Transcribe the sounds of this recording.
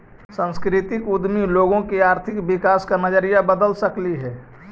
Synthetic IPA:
sə̃nskɾɪt̪ɪkʊd̪miloːɡõkiaːɾt̪ʰɪkbɪkaːskanəd͡ʒəɾijabəd̪əlsəkliɦɛː

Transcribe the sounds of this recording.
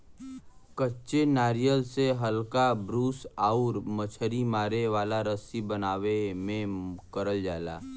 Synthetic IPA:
kətːʃenaːɾijəlseɦəlkabɾuːsaːʊɾmət͡ʃʰəɾimaːɾeʋaːlaɾəsibənaːʋemẽkəɾəld͡ʒa̰ːla̰ː

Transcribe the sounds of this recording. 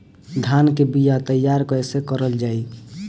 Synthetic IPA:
d̪ʱankebijat̪əjːaɾkəjsekəɾəld͡ʒai

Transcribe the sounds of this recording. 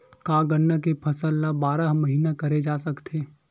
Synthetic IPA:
kaːɡənːakepʰɐsəlːabaːɾaɦmɐɦiːnakɐɾed͡ʒaːsɐkt̪ʰeː

